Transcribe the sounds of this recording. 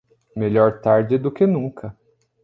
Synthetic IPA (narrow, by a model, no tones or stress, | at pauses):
meʎɔɾt̪aɾd͡ʒɪd̪ʊkɪnũŋkʰɐ